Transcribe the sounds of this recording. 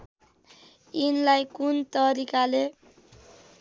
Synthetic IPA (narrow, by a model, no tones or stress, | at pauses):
inlajkunt̪ʌɾikale